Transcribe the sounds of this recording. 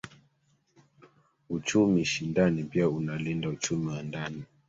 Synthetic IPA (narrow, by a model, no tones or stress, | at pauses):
ut͡ʃumiʃindanipiaunalindaut͡ʃumiwandani